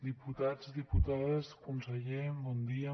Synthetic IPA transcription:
d̪iput̪azðiput̪aðezkunseʎembɔnd̪ia

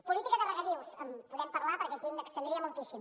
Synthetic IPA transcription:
pulit̪ikəðərəɣət̪iwsəmpuðɛmpəɾlapəɾkɛend̪əkst̪ənd̪ɾiəmulˠt̪isim

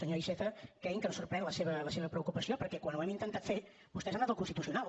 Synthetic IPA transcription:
səɲoiʃɛfəkɾɛiŋkənsuɾpɾɛnləseβələseβəpɾəukupəsiopəɾkɛkwanwɛmint̪ənt̪at̪feɾ | bust̪ɛzanat̪əlˠkunst̪it̪usiunalˠ

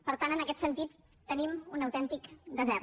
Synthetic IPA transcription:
pəɾt̪anənəkɛt̪sənt̪it̪ː | ənimunəwt̪ɛnt̪ikd̪əzɛɾt̪

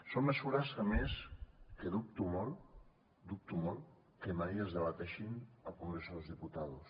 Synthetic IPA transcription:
somːesuɾasameskeðup̚t̪umolˠ | d̪up̚t̪umolˠ | kemajelzðeβat̪ɛʃinapumesozðiput̪aðus

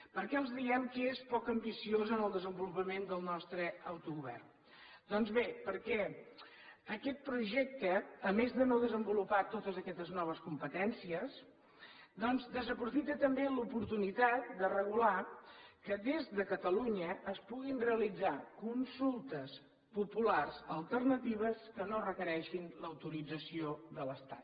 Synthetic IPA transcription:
pəɾkɛəlˠzðiɛmkəespɔkəmbisiozənəlˠd̪əzəmbulupəmend̪əlˠnɔst̪ɾəəwt̪uɣuβɛ̰rn | d̪ɔnzβepəɾkɛ | əkɛt̪̚pɾuʒɛk̚t̪əːmezðənoðəzəmbulupat̪ot̪əzəkɛst̪əznɔβ̞əskumpət̪ɛnsiəs | d̪ɔnzd̪əzəpɾufit̪ət̪əmbelupuɾt̪unit̪at̪̚d̪ərəɣ̞ulakəðezðəkət̪əluɲəʔːspuɣinreəlid͡zakunsulˠt̪əs | pupularzəlˠt̪ərnət̪iβ̞əskənorəkəɾɛʃinləwt̪uɾid͡zəsioðələst̪at̪

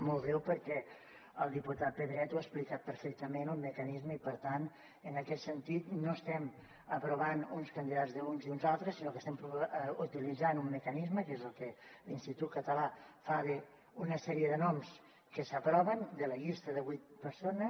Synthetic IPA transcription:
molˠɣɾɛwpəɾkɛ | əlˠd̪iput̪at̪̚pəðɾɛt̪uaəksplikat̪̚pəɾfɛk̚t̪əmenulˠməkənizməipəɾt̪an | ənəkɛt̪sənt̪it̪noəst̪ɛm | əpɾuβanunskənd̪iðazðəunziunzalˠt̪ɾəsːinokəst̪ɛmpɾuut̪ilid͡zanumːəkənizməkezəlˠkəlinst̪it̪ut̪̚kət̪əlafaɣe | unəsɛɾiəðənɔms | kəsəpɾɔβənd̪ələʎist̪əðəβwit̪̚pəɾsonə

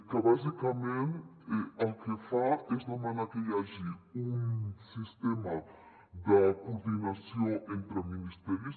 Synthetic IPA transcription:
kɐbazikɐmẽnt̪ɛɐwkefaɾeʃnɐ̃mãnɐkeʁaʒiɾũsiʃt̪emɐ | d̪ɐkuɾd̪inɐsɐ̃w̃ẽnt̪ɾɐminiʃt̪ɛɾjus

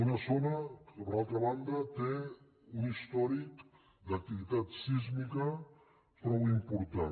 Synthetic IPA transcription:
unɐzonəalˠt̪ɾɐβand̪ət̪e | unist̪ɔɾik | d̪ək̚t̪iβit̪at̪sizmikə | t̪ɾɔwimpuɾt̪a

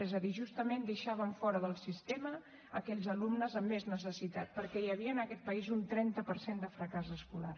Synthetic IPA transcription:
ɛzəðiʒust̪əmend̪əʃaβ̞əɱfɔɾəðəlˠsist̪ɛmə | əkɛʎzəlumnəzəmːeznəsəsit̪at̪̚pəɾkɛjəβiənəkɛt̪̚pəizunt̪ɾɛnt̪əpəɾsend̪əfɾəkazəskular

